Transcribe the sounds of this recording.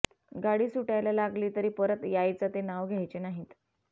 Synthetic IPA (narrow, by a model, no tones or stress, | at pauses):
ɡaɽiːsuʈajlalaɡliːt̪əɾiːpəɾət̪jajt͡sat̪enaʋɡʱjajt͡ɕenaɦiːt̪